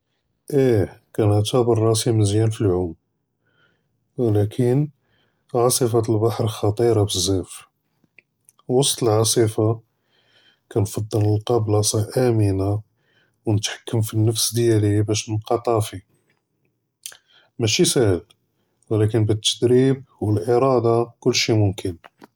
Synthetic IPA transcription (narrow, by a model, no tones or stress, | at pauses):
ʔækænʕt̪æbərˤːɑsimənzjænfilʕʊm | wlækʰən | ʕɑsˤifalbaħɾxɑt̪ˤiɾɑbəzːæf | wɑsˤt̪ˤəlʕɑsˤifa | kænfɑd̪ˤːɑləlqɑblɑsˤɑʔæməna | wnət̪ħḁkːəmfinːəfsd̪jælibæʃnqɑt̪ˤɑfi | mæʃisæhəl | wlækənbət̪ːəd̪ɾib̚wəlʔəɾˤɑd̪ɑkʊlːʃimʊmkʰən